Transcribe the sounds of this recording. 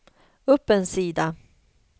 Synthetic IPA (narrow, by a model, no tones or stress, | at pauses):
ɵpːɛnsiːd̪a